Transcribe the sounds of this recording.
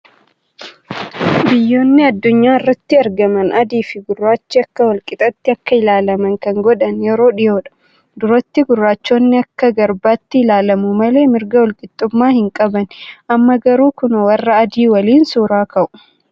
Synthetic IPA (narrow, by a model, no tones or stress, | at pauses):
bɪjːo̞ːnːɪɐd̪ːʊɲːaːɪrːɐt̪ːɪɐɾɡɐmɐnʔɐd̪iːfɪɡʊrːaːt͡ʃːɪɐkːɐwɐlkʼɪt̪ʼɐt̪ːɪɐkːɐɪlaːlɐmɐŋkɐŋɡɔᶑɐnjɛɾo̞ːᶑɪjo̞ːᶑɐ̥ | d̪ʊɾot̪ːɪɡʊrːaːt͡ʃːoːnːɪɐkːɐɡɐɾbaːt̪ːɪɪlaːlɐmʊmɐle̞ːmɪɾɡɐwɐlkʼɪt̪ʼːʊmːaːhɪŋkʼɐbɐnʔɐmːɐɡɐɾuːkʊnɐwɐrːɐːd̪iːwɐliːnsʊːɾaːkɐʔʊ̥